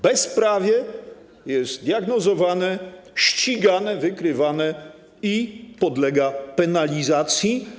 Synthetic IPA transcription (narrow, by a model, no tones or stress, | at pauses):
bɛspɾavʲjɛ | jɛst̪d̪ʲjaɡnɔzɔvanɛɕt͡ɕiɡanɛvɘkɾɘvanɛ | ipɔd̪lɛɡapɛnalʲizat̪sʲji